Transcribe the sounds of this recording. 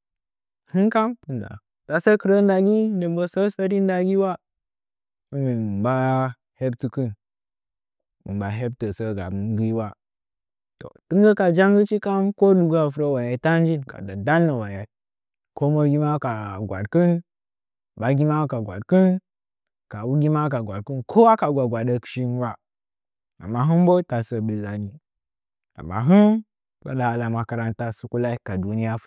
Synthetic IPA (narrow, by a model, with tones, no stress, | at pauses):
hi˦ŋka˦mpu˨n˨da̰˨ | ta˨sə˦kɨ˨ɾə˦n˦da˨ɡi˦ndə˨mbə˦sə˦sə˦ɾi˦n˦da˨ɡi˦wa˦ | ə˨mi˨mba˦ | he˦b̚ti˦kɨ˦n | mə̰˨mba˨ɦe˦b̚tə˨sə˦ɡa̰˨bnɡi˦wa˦ | to̰˨tɨ˦ŋ˦ɡə˦ka˨d͡ʒa˦ŋɡə˦t͡ʃi˦ka˦mko˦lu˨ɡa˦˨f̬u˦ɾə˦wa˨ja˨ta˦n˦d͡ʒi˦nka̰˨da˨da˦lːə˨wa˨ja˨ | ko˦mo˦ɡʲi˦ma˦ka˨ɡʷa̰˨dkɨ˦n | ɓa˨ɡʲi˦ma˦ka˨ɡʷa̰˨dkɨ˦n | ka˨wu˦ɡʲi˦ma˦ka˨ɡʷa˨dkɨ˦nkʰo˦wa˦ka˨ɡʷa˨ɡʷa˨da˦kʃi˦nwa˦ | a̰˨mːa˨ɦu˦m˦bo˦ta˨sə˨bi˨lːa˨ni˨ | a̰˨mːa̰˨ɦu˦n | ɡa̰˨ɗa˨la˨ma˨ka˨ɾa˦nta˦su˦ku˦la˦i˦ka˨du˨ni˦ja˦